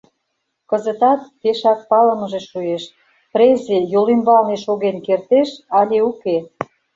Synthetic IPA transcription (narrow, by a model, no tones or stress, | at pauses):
kə̆zə̆t̪ɑt̪̚peʃɑk̪̚pɑləmə̆ʒeʃueʃ | pɾezejolimbɑlneʃoɣenkert̪eʃɑlʲeuke